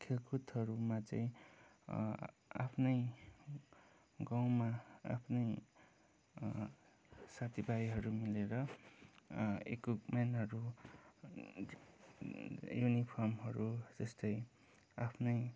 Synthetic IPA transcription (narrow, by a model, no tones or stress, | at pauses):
kʰelkut̪ʌɾumat͡sʌĩ | a̰pʰnʌj | ɡaw̃maa̰pʰnʌj | sat̪ʰibajɦʌɾumileɾʌ | ḛkukmanɦʌɾu | junipʰʌrmɦʌɾud͡zʌst̪ʌj | apʰnʌj